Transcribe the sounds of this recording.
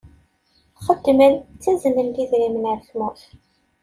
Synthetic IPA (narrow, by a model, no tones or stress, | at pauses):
χəd̪ːmənt͡sːæzənənd̪iðɾimənʕəɾçmæ